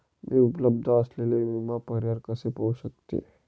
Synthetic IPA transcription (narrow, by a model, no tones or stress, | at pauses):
mʔiupləb̚d̪ʱəəslelemimapəɾjaɾkəsepəuʃək̚t̪ḛ